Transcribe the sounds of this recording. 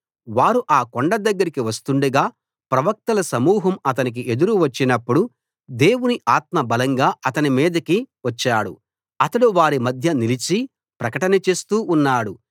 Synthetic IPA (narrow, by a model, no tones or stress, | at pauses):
ʋaːɾuʔaːkoɳɖɐd̪ɐɡːɐɾikiʋɐst̪uɳɖuɡaː | pɾɐʋɐk̚t̪ɐlɐsɐmuːɦɐmɐt̪ɐnik̬iʔe̞d̪uɾuʋɐt͡ʃːinɐpːuɽu | d̪e̞ːwuniʔaːt̪mɐbɐlɐŋɡaːʔɐt̪ɐnimiːd̪ɐkiʋɐt͡ʃːaːɽṵ | ɐt̪ɐɽuʋaːɾimɐd̪ʱjɐnilit͡ʃi | pɾɐkɐʈɐnɐt͡ʃe̞ːst̪uːʔːnːaːɽu